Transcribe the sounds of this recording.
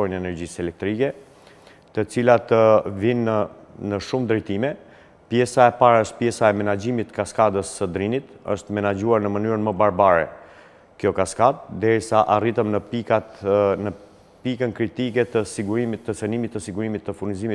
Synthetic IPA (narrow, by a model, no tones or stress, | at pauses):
ɔinɛnɛɾd͡ʑisɛlɛk̚t̪ɾikɛ | t̪ət͡silat̪əvin | nəʃumd̪ɾɛjt̪imɛ | pjɛsaɛpaɾəʃt̪̚pjɛsaɛmɛnad͡ʑimit̪kaskad̪əsːəd̪ɾinit̪ə̰ʃt̪mɛnad͡ʑuaɾnəmənyɾənməbaɾbaɾɛ̰ | kjɔkaskad̪̚d̪ɛɾisaʔarit̪əmnəpianə | pikənkɾit̪ikɛt̪əsiɡuɾimit̪ːət͡sənimit̪ːəsiɡuɾimit̪ːəfurnizimi